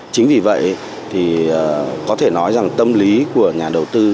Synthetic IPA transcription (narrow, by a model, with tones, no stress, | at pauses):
t͡ɕï˨˦ŋ̟vi˨˩və̰˧˨jʔ | t̪ʰi˨˩əː˨˩kɔ˨˦t̪ʰe˧˩nɔ˨˦jza˨˩ŋt̪ə˧mli˨˦ku˧˩əɲaː˨˩ɗə˨˩wt̪ɨ˧